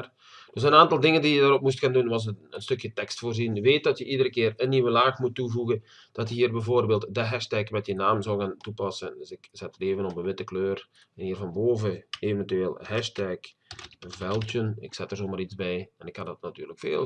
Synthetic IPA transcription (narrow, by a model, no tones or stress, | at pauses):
d̥øsənaːntɑlˠdɪŋəndijədaːrɔpmus̬tkaːndunʋɑs̬əənstøkjətɛkstfoːrzinʋeːt̚dɔtjəʔidəɾəkɪːrənːiʋəlaːxmutːuvuɣən | d̥ɑtjəɦiːrbɛvoːrbeːlˠtdəɦɛʃtɛkmɛtjənaːmzɔwɣaːntupɑsənsɪkz̥ɛtəreːvənɔpənʋɪtəkløːr | ɛnhiːrvɑnboːvəeːvɛntyeːlˠhɛʃtɛk | vɛlˠtjənɪ̰ksɛtərzoːmaːɾit͡sbɛjɛnɪkhandɔtnatyːrləkfḛːl